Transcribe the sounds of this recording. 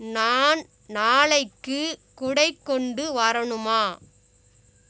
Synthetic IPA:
naːn | naːɭɐɪkːɯkʊɽɐɪkːɔɳɖɯʋɐɾɐɳɯmaː

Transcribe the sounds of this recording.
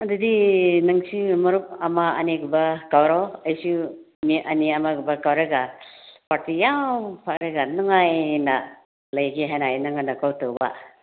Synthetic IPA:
ɐdɯdinɐŋsimɔɾup̚ɐmaɐ̰niɡubakawɾawɐjsu | miʔɐniamaɡubakawɾaɡapaɾtijawpʰakɾaɡanɔŋajna | lɐjɡeɦajnajnaŋanakawtowba̰

